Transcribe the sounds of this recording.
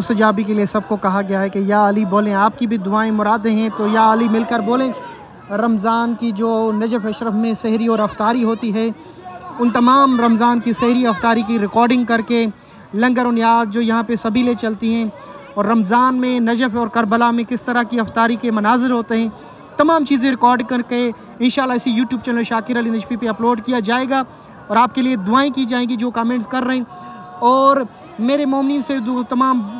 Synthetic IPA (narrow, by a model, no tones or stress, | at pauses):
ʊst̪əd͡ʒaːbikeliesɐb̚kokɐɦaɡɐjaɦɛkejaɐliboːlẽaːp̚kibʱid̪ʊaːẽmʊɾaːd̪ɦẽɦɛ̃t̪ojaɐlimɪlkəɾboːlẽt͡ʃ | ɾɐmzaːnkid͡ʒoːnɐd͡ʒəfɐʃɾəfmẽsɛɦɾiɔːɾɐft̪aːɾiɦoːt̪iɦɛ | ʊnt̪ɐmaːmɾɐmzaːnkisɛɦɾiɐft̪aːɾikiɾɪkɔːɾɖɪ̃ŋɡ̚kɐɾke | lɐ̃ŋɡəɾʊnjaːd̪̚d͡ʒoːjɐɦãpesɐbʱilet͡ʃɐlt̪iɦɛ̃ | ɔːɾːɐmzaːnmẽnɐd͡ʒəfɔːɾkɐɾbəlamẽkɪst̪ɐɾakiɦɐft̪aːɾikemɐnaːzɪɾɦoːt̪eɦɛ̃ː | t̪ɐmãːmt͡ʃiːzẽɾɪkɔːɾɖkɐɾke | ɪnʃaːlːaɪsijuːʈjuːb̚t͡ʃɛːnəlʃaːkɪɾəlɪnɛt͡ʃpipeɐploːɖkijad͡ʒaːeːɡaː | ɔːɾaːp̚kelied̪ʊaːẽkid͡ʒaːẽːŋɡid͡ʒoːkaːmẽːɳʈskɐɾːɐɦẽ | ɔːɾ | meːɾemoːmniːnsed̪oːt̪ɐmaːm